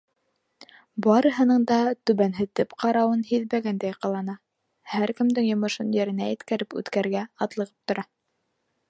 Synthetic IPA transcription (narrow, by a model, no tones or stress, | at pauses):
bɑɾɤ̆ɦɤ̆nɤɴd̪ɑt̪ɵβænɦɘ̆t̪ɘpqʰɑɾɑwɤnhiðbæɡænd̪æjqɑlˠɑnɑ | hæɾkɘ̆md̪ɘŋjŏmɤ̆ʃɤnjɘ̆ɾɘ̆næjɘ̆t̪kæɾɘpʉ̰t̪kæɾɡæɑt̪lˠɤ̆ʁɤp̚t̪ŏɾɑ